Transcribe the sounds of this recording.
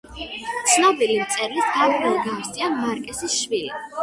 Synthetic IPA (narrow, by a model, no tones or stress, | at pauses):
t̪sʰnabilimt̪sʼɛɾlisɡaɾɛlɡaɾsʼianmaɾkʼɛsisʃvilḭ